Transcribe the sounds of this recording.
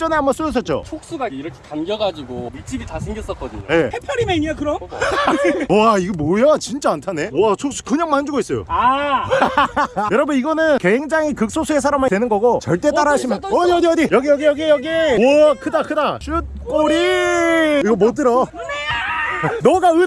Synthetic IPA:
t͡ɕ͈ʌneamas͈uʌs̬͈ʰʌt̚t͡ɕ͈o̰t͡ɕʰok̚s͈uɡaiɾʌkʰekanɡjʌɡad͡ʑiɡomit͡ɕ͈ʰibitasʰeŋɡjʌs͈ʌk͈ʌdɯ̰ɲo̰je̞hepʰjʌɾimeɲakɯɾʌn | aiɡemojat͡ɕint͡ɕ͈aːntʰane̞at͡ɕʰok̚s͈u̥kɯɲaŋmand͡ʑuɡois͈ʌjo̰a | jʌɾʌbɯniɡʌnɯnke̞ŋd͡ʑaŋikɯk̚s͈osʰues̬ʰaɾamadwenɯnɡʌɡot͡ɕʌɭt͈e̞t͈aɾaɕʰimjʌnʌʌdiʌdijʌɡijʌɡijʌɡejʌɡekɯdakɯdaɕʰut̚k͈oɾi | iɡʌmot͈ɯɾʌ | nʌɡaɯ

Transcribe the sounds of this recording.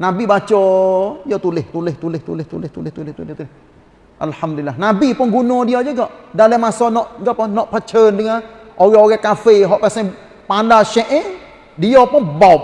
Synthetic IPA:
nabibat͡ʃɔjɔt̪ulɪht̪ulɪht̪ulɪt̪ulɪht̪ṵlɪht̪ulɪht̪ulɪht̪ulɪht̪ulɪh | ʔalhamdlilːahnabipʊnɡunɔdiad͡ʒəɡɔʔdaləmasɔnɔʔɡaʔpʊnɔʔpat͡ʃəndəŋa | ʔoɣɛoɣɛhkafeɦɔʔpɛsɛ | pandaʃɛʔɪ | diɔpʊnbaup̚

